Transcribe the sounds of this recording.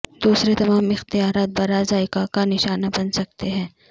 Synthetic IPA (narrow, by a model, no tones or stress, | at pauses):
d̪uːsɾet̪ɐmaːmɪxt̪ijaːɾaːt̪̚bɐɾaːzaɪkakanɪʃaːnabɐnsɐk̚t̪eɦɛ̃ː